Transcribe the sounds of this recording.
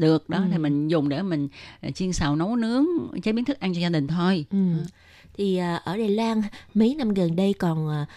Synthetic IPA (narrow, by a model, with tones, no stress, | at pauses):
ɗɨ˨˩ək̚ɗɔ˨˦t̪ʰi˨˩mï˨˩ŋ̟zʊ˨˩ŋ͡mɗe˧˩mï˨˩ŋ̟˨t͡ɕi˧ənsaː˨˩wno˨˦wnɨ˨˦əŋt͡ɕə˨˦˥ɓi˨˦nt̪ʰɨ˦˥k̚ʔa˧ŋt͡ɕɔ˧zaː˧ɗï˨˩ŋ̟t̪ʰo˧jʔɨ˨˩ | t̪ʰi˨˩ʔəː˨˩ʔəː˧˩ɗaː˨˩jlwaː˧nmi˨˦jna˧mɣə˨˩nɗə˧jkɔ˨˩nʔəː˨˩